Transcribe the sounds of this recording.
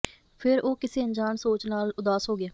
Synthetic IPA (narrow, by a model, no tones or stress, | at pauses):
pʰɪɾoːkɪseːə̃ɲd͡ʒaːnsoːt͡ʃnaːlʊd̪aːsɦoːɡɪaː